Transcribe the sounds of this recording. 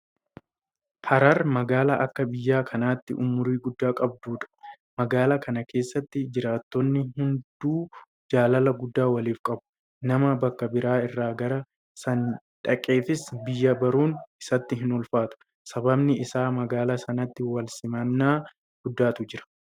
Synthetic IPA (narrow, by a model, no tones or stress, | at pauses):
hɐɾɐɾmɐɡaːlɐʔɐkːɐbɪjːaːkʰɐnaːt̪ːɪʔʊmʊɾiːɡʊd̪ːaːkʼɐb̚d̪uːᶑɐ̥ | mɐɡaːlɐkʰɐnɐkʰe̞ːsːɐt̪ːɪd͡ʒɪɾaːt̪ːɔnːɪɦʊnd̪̥uː | d͡ʒaːlɐlɐɡʊd̪ːaːwɐliːfkʼɐbʊ̥ | nɐmɐbɐkːɐbɪɾaːɪrːaːɡɐɾɐ | sɐn | ᶑɐkʼe̞ːfɪsbɪjːɐbɐɾuːnɪsɐt̪ːɪɦɪnɔlfaːt̪ʊ̥ | sɐbɐbnɪɪsaːmɐɡaːlɐsɐnɐt̪ːɪwɐlsɪmɐnːaː | ɡ̥ʊd̪ːaːt̪ʊd͡ʒɪɾɐ̥